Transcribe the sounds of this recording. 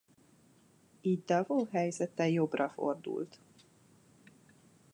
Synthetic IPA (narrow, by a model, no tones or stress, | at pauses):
iːd̚d̪ɒvoːɦɛjzɛt̪ɛjo̞brɒfo̞̰rd̪ṵlt̪